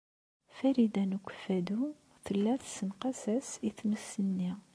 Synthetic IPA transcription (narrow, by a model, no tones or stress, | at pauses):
fæɾid̪ænukʷːə̥fːæd̪u | θəlːæθsənqɑsæsiθməsːənːi